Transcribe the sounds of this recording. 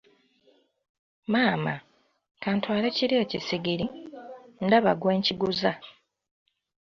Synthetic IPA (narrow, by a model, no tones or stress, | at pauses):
maːma | kaːntwaːleciɾjeːcisiɡiɾi | ndaβa̰ɡwe̞ːɲciɡuza